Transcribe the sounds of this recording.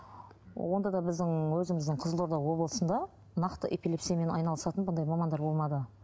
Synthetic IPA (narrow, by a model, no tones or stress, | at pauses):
wo̞nd̪ɑd̪ɑbɪzd̪ɪŋwɵzɪmɪzd̪ɪɴqʰəzəlˠoɾd̪ɑwo̞blˠəsənd̪ɑ | nɑqt̪əʔe̞pile̞psijɑme̞nɑ̰jnɑlˠəsɑt̪ənbənd̪ɑjmɑmɑnd̪ɑɾbo̞lˠmɑd̪ə